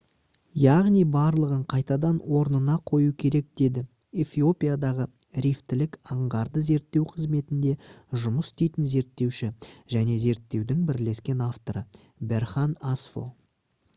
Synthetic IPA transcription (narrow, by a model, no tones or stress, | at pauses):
jɑʁnijbɑɾlˠəʁəɴqʰɑjt̪ɑd̪ɑnwo̞ɾnənɑqʰo̞jukʲʰe̞ɾe̞k̚d̪̥e̞d̪ɪ | efio̞pʲijad̪ɑʁə | ɾijft̪ɪlɪkɑɴʁɑɾd̪əze̞ɾt̪ːe̞wqʰəzme̞t̪ɪnd̪e̞ʒʊməsst̪ejt̪ɪnze̞ɾt̪ːe̞wʃɪʒ̥æne̞ze̞ɾt̪ːe̞wd̪ɪŋbɪɾle̞skʲe̞naft̪o̞ɾə | be̞ɾχɑnasfo̰